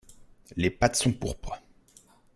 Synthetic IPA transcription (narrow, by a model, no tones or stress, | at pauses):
lepat̪sɔ̃puʁpχə